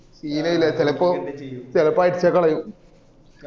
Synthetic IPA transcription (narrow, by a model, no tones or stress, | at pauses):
siːnɐjilet̪elɐpːɨt̪elɐpːaːjiʈt͡ɕɐkːɐɭɐjum